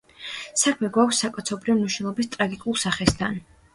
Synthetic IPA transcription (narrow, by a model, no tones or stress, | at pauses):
sakʰmɛɡwakʰsːakʼɔt̪sʰɔbɾivmniʃnɛlˠɔbist̪ʼɾaɡikʼulˠsaχɛst̪ʰan